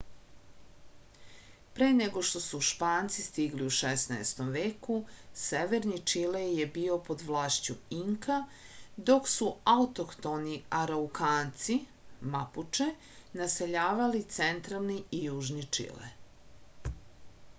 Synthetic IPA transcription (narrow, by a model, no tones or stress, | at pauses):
pɾeːneɡo̞ʃt̪o̞suːʃpaːnt̪sist̪iɡliuʃesnaest̪o̞mʋeːkuseʋeɾnit͡ʂilejebiːo̞po̞d̪ʋlaːʃt͡ɕuiŋkad̪o̞ksuaut̪okt̪oniaɾaukaːnt̪si | maput͡ʂe | naseʎaːʋalit̪sent̪ɾalˠniijuːʒnit͡ʂḭlḛ